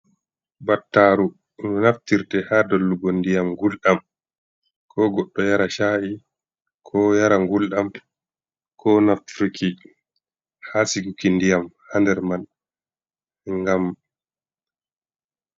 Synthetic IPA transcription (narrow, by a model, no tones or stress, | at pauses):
batːaɾu | nɔnaftiɾtɛhaːdɔlːuɡɔndijamŋɡulɗam | kʰɔːɡɔɗːɔjaɾaʃaːʔi | kʰɔjaɾaŋɡulɗam | kʰɔnaftɾiki | hasiɡukindijamhandɛɾman | ŋɡam